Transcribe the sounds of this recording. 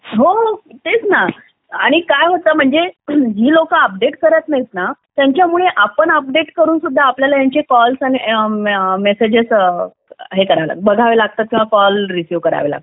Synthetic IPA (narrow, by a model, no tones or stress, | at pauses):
ɦoɦot̪et͡sna | aɽ̃ikajɦot̪əm̤əɳd͡zed͡ʑiːlokəəp̚ɖeʈkəɾət̪najit̪nat̪jãɲt͡ɕjamuɭeʔapəɳəp̚ɖeʈkəɾuːnsud̪ʱːaːpljalajaɲt͡ɕekɔlsani | mesed͡ʑesə | ɦekəɾala̰kbəɡʱaʋelaɡ̚t̪at̪̚kĩʋakɔlɾisjuʋkəɾa̰ʋela̰